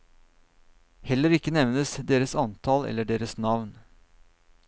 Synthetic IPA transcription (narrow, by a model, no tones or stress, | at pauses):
hɛləɾɪkːənɛʋnəsd̪eːɾəsɑnt̪ʰɑlɛ̰lːəɖeːɾəsnɑʋn